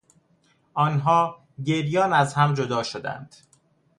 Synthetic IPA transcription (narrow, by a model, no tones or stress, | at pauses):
ʔɒːnɦɒː | ɟe̞ɾjɒːnæzhæmd͡ʒod̪ɒːʃod̪æ̰nd̪̥